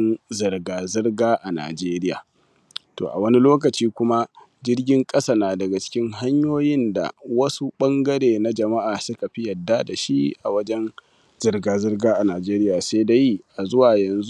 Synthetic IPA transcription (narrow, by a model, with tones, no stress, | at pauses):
nzɐ˨rɡaː˨zɪ˦rɡaː˦ʔa˨na̰ː˨d͡ʒeː˦ɾɪ˦ja̰ː˨ | to̰ː˨ʔa̰˨wɐ˦ni˦loː˦k̬ɐ˨t͡ʃiː˦kʷʊ˦ma˦ | d͡ʒɪ˦rɡʲɪ˦ŋkʼɐ˦sa˨naː˨dɐ˨ɡa˨t͡ʃɪ̥˦kʲɪ˦ŋɦa˦ɲjoː˦jɪ˦nda̰˨wɐ˦su˦ɓɐ˦ŋɡɐ˦ɾeː˨na˦d͡ʒɐ˨ma˦ʔaː˨sʊ˦ka˨ɸi˦jɐ˨dːa˦da˨ʃi˦ʔa˨wɐ˦d͡ʒɛ˦n | z̥ɪ˦rɡaː˨zɪ˦rɡaː˦ʔa˨naː˨d͡ʒeː˦ɾɪ˦jaː˨se˦da˦ji˦ʔa˨zʊ˦waː˨jɐ˨nzu˦